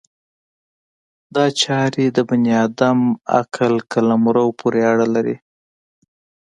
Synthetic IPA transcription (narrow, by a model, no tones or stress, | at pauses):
d̪ɑt͡ʃɑɾed̪əbʊnjɑd̪ama̰kʰalkalamɾawpʰuɾeaɽalaɾḭ